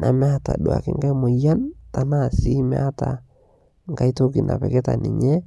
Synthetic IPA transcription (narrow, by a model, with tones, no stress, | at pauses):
nʔa˨mɛ˦a˦ta̰˨ɗu˨a̰˨kɪ̰˦ŋɡa˦mo˨ja˦nta˦na˦˨si˦mɛ̰˦a˦ta˨ | ŋɡa˦i˦to˦ki˨na̰˨pɛ˨kɛ˦ta̰˨nɪ˨ɲɛ˦